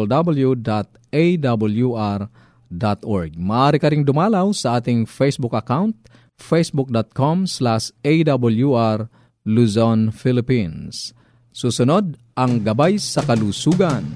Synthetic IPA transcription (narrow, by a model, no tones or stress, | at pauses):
ld̪abɐljud̪at̪̚ | ejd̪abɐljuʔaɾ | d̪at̪ɔɹɡ̚mɐʔaːɾikɐɾɪŋd̪ʊmalawsɐʔaːt̪ɪŋfɛjsbʊkɐkawnt̪̚ | fejsbʊk̚d̪ɔt̪̚komslaʃejd̪abɐljuʔaɾ | luzɔnfilɪpins | susʊnod̪̚ʔɐŋɡɐbajsɐkɐlusuɡan